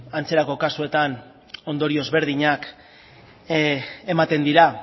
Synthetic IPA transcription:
ant͡se̞ɾako̞kasue̞t̪an | o̞nd̪o̞ɾio̞zβe̞ɾðiɲak | e̞mat̪e̞nd̪iɾa

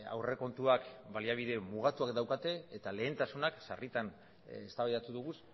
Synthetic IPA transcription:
a̰wre̞ko̞nt̪uakbaliaβ̞iðe̞muɣ̞at̪uakd̪awkat̪e̞ːt̪ale̞ːnt̪asunaksa̰rit̪an | est̪aβajðat̪uðuɣ̞us

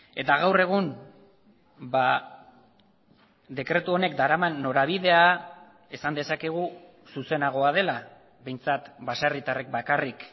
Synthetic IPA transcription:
e̞t̪aɣ̞awre̞ɣ̞un | ba | d̪e̞kɾe̞t̪uo̞ne̞kd̪aɾamanːo̞ɾaβ̞iðe̞a | e̞sand̪e̞sake̞ɣ̞u | suse̞naɣo̞að̞e̞la | βe̞jnt͡sat̪basarit̪arek̚bakarik

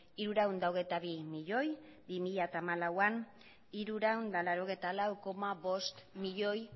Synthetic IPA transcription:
iɾuɾawnd̪aoɣejt̪aβimiʎo̞jbimiʎat̪aːmalawan | iɾuɾawnd̪alaɾoɣejt̪alawko̞maβo̞st̪miʎo̞j

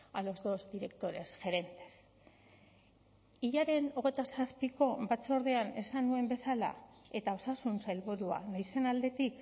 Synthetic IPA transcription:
alo̞zd̪o̞zd̪iɾe̞kt̪o̞ɾe̞sʝe̞ɾe̞nt̪e̞̥s | iʎaɾe̞no̞ɣ̞e̞jt̪asaspiko̞bat͡so̞ɾðe̞ane̞sanue̞mbe̞sala̰e̞t̪ao̞sasunsajlβuɾua̰najse̞nald̪e̞t̪ik

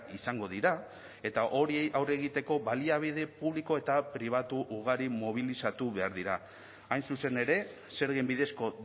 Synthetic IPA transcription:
isaŋɡo̞ðiɾa | e̞t̪aʔo̞ɾiejʔawre̞ɣ̞it̪e̞ko̞βaliaβ̞ið̞e̞puβ̞liko̞e̞t̪apɾiβ̞at̪uʔuɣ̞aɾimo̞β̞ilisat̪uβe̞aɾðiɾaː | jnsuse̞ne̞ɾe̞ | se̞ɾɣembiðe̞sko̞

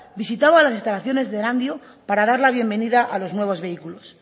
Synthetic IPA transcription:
bisit̪aβalasist̪alaθjo̞ne̞zðeɾand̪jo | paɾaðaɾlaβ̞je̞mbe̞niðaʔalo̞znwe̞β̞o̞zβe̞ikulo̞s

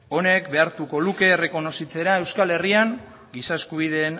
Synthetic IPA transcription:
o̞ne̞kbe̞aɾt̪uko̞luke̞ːre̞ko̞no̞sit͡se̞ɾae̞wskale̞riaŋ | ɡisae̞skuβ̞iðe̞ːn

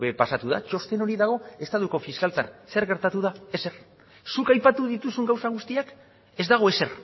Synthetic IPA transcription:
βepasat̪uða̰t͡ʃo̞st̪e̞no̞ɾiðaɣ̞o̞e̞st̪at̪uko̞fiskalt̪anse̞ɾɣe̞ɾt̪at̪uðae̞se̞ɾ | sukajpat̪uðit̪usuŋɡawsaɣ̞ust̪iak | e̞zd̪aɣ̞o̞e̞se̞r

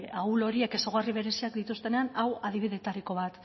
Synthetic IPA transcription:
aulo̞ɾieke̞so̞ɣ̞ariβ̞e̞ɾe̞siakd̪it̪ust̪e̞ne̞anawað̞iβ̞iðe̞ːt̪aɾiko̞β̞at̪

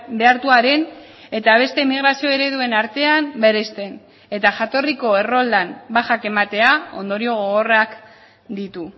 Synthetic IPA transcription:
be̞aɾt̪uaɾe̞n | e̞t̪aβ̞e̞st̪emiɣ̞ɾasio̞e̞ɾe̞ðue̞naɾt̪e̞ambe̞ɾest̪e̞n | e̞t̪aʝat̪o̞riko̞e̞ro̞ld̪ambaxake̞mat̪e̞ao̞̰nd̪o̞ɾio̞ɣoɣ̞orak | d̪it̪u

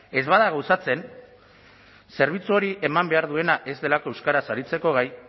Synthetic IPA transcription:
e̞zβaðaɣawsat͡se̞n | se̞ɾβ̞it͡suo̞ɾiʔe̞mambe̞aɾðue̞naʔe̞zd̪e̞lako̞ewskaɾasaɾit͡se̞ko̞ɣ̞aj

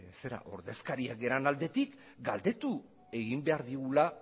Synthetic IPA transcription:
se̞ɾa̰ʔo̞ɾðe̞skaɾiaɡe̞ɾanald̪e̞t̪ik | ɡald̪e̞t̪u | e̞ɣimbe̞aɾðiɣula

